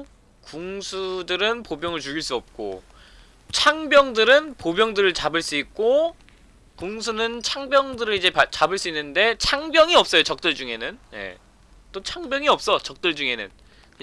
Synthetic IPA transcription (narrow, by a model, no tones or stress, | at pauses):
kuŋsʰudɯɾɯnpobjʌŋɯɭt͡ɕuɡiɭs͈uʌp̚k͈o̰ | t͡ɕʰaŋbjʌŋdɯɾɯnpobjʌŋdɯɾɯɭt͡ɕabɯɭs͈uik̚k͈o | kuŋsʰunɯnt͡ɕʰaŋbjʌŋdɯɾɯɭid͡ʑe̞pat͡ɕabɯɭs͈uinːɯnde̞t͡ɕʰaŋbjʌŋiʌp̚s͈ʌjot͡ɕʌk̚t͈ɯɭd͡ʑuŋe̞nɯnje̞̰ | t͈ot͡ɕʰaŋbjʌŋiʌp̚s͈ʌt͡ɕʌk̚t͈ɯɭd͡ʑuŋe̞nɯ̰n